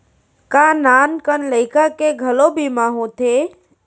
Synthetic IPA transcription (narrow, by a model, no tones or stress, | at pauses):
kanaːnkənləɪkakeɡʱəlobʱimaːɦũt̪ʰeː